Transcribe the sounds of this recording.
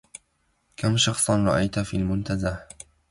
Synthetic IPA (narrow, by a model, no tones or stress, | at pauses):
kamʃɑxsˤnɾˤɑʔajt̪afiːlmʊnt̪azah